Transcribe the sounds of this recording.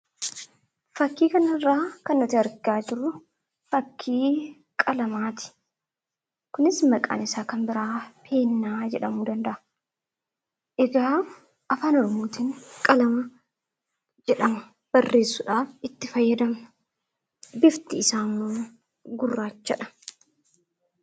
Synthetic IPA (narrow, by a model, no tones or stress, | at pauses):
fɐkːiːkɐnɐɪrːaːkɐnːɔt̪ɪɐɾɡaːd͡ʒɪɾʊ | fɐkʰːiː | kʼɐlɐmaːt̪ɪ̥ | kʊnɪsmɐkʼa̰ːnɪsaːkɐmbɪɾaːfʰe̞ːnːaːd͡ʒɛᶑɐmuːd̪ɐnd̪ɐʔɐ | ʔɛɡaː | ʔɐfaːnɔɾɔmoːt̪inkʼɐlɐmɐ | d͡ʒɛᶑɐmɐ | b̥ɐrːe̞ːsːʊᶑaːfɪt̪ːɪfɐjːɐd̪ɐm | bɪft̪ɪːsaːmːoː | ɡʊrːaːt͡ʃːɐᶑɐ̥